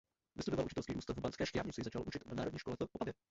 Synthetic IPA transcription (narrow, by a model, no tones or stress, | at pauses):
vɪ̰st̪udovalʔut͡ʃɪt̪ɛlskiːʔuːst̪avbant͡skɛːʃtɾaːvɲɪt͡sɪzat͡ʃalʔut͡ʃɪt̪naːɾodɲiːʃkolɛt̪oʔobavjɛ